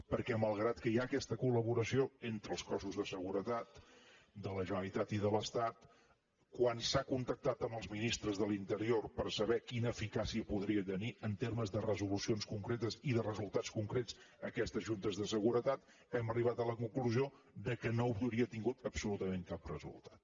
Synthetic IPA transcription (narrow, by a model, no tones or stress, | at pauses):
pəɾkɛməlˠɣ̞ɾat̪kəjaːkɛst̪əkuləβuɾəsioent̪ɾəːlˠskɔsuzðəsəɣuɾət̪at̪ | d̪ələʒəəlit̪at̪iðələst̪at̪ | kwansakunt̪ək̚t̪at̪əməlˠzminist̪ɾəzðəlint̪əɾiorpəɾsəβɛkinəːfikasiəpuðɾiət̪əniʔənt̪erməzðərəzulusionskuŋkɾet̪əziðərəzulˠt̪at͡skuŋkɾet͡s | əkɛst̪əʒunt̪əzðəsəɣuɾət̪at̪ | ɛməriβat̪ələkuŋkluzio | d̪əkənoupt̪uɾiət̪iŋɡut̪əpsulut̪əmeŋkap̚rəzṵlˠt̪ḁt̪̚